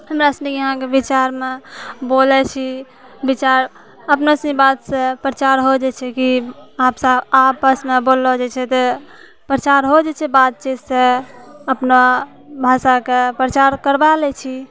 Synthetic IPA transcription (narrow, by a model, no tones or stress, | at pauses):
həmɾasnikjəɦãkebit͡ʃaɾmebolɛt͡ʃʰi | bit͡ʃaɾ | əpnəsĩbat̪sẽpɾət͡ʃaɾɦod͡ʒɛt͡ʃʰɛkiapsəapəsmebolːod͡ʒɛt͡ʃʰɛt̪ɔ | pɾət͡ʃaɾɦod͡ʒɛt͡ʃʰɛbat̪̚t͡ʃet̪sẽəpno | bʱasakepɾət͡ʃaɾkəɾbalɛt͡ʃʰi